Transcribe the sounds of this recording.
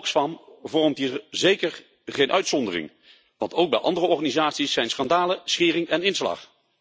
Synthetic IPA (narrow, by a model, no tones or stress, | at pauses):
ksfɑmvɔɹəmtɦiːɹzejkəɹ | χejnʔœɥtsɔndərɪ̰ŋ | ʋɑntowɡ̚bɛ̰jʔɑ̰ndərəɔɹχanizaːtsisːɛjnsχɑndaːləsχɪːrɪŋɛnɪnslɑ̰χ